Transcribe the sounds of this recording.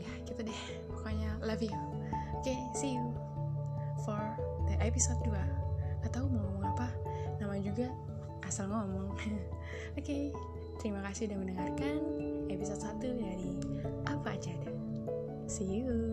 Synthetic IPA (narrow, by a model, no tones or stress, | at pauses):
jakit̪adɛh | pakaɲalavia | oke | siu | fɔrdəʔepisɔt̪̚duaat̪aumɔmmɔŋapanamad͡ʒuɡa | ʔasalŋɔɔmɔŋ | oke | t̪əɾimakasihdaməndəŋarkanepisɔt̪̚sat̪udaɾiʔapaːd͡ʒadɛ | siu